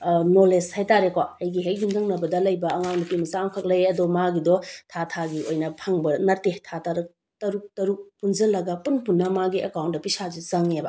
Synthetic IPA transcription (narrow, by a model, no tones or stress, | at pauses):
noleshajtaɾekwaɐjɡiɦejdundʰɐŋnɐbɐdɐlɐjbɐːŋawnipimɐsaŋkʰɐk̚lɐjɐdɔmaɡidɔtʰatʰaɡiojnɐpʰɐŋbɐnɐɾtetʰataɾɐk̚ | tɐɾuk̚tɐɾuk̚punzɐlɐɡɐpunpunːɐmaɡiekawntdɐpisazizɐŋebɐ